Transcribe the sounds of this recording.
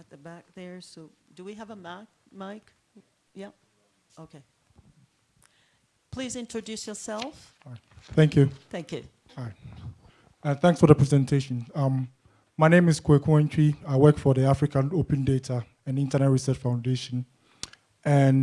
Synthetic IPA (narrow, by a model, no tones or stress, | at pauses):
ɨt̪̚ðəbæk̚ðə˞soʊd̥ɨwiəvəmæk̚maɪk | jɛp̚ | oʊkʰeɪ | pʰl̥izɪ̃ntɹ̥ɨdʉsjə˞sɛlˠf | θæ̃ŋkʰjʉθæ̃ŋkjʉ | ãnθæ̃ŋksfɔðəpʰɹ̥ɛzɛ̃ntʰeʃɔ̃nʌ̃mː | aɪnẽmɪz̥kʰwekʰwɛ̃nt͡ʃʰiaɪwɜkfɔðiafɹikʰãnopɨ̃ndetʰa | ɛ̃nĩntʰənɛt̚ɹisɜt͡ʃfãʊ̃ndeʃɔ̃n | ɛ̃n